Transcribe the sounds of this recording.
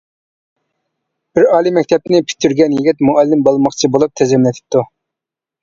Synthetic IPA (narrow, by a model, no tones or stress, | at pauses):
b̥ɪɾɑːlˠimɛkʲt̪ʰɛp̚nɪpʰy̥t̪ʰːyɾɡʲɛnjiɡʲɛt̪muɑlːɪmbolˠmɑχt͡ʃʰibolˠup̚t̪ʰɛzɛmlɛt̪ʰɪ̥p̚t̪ːu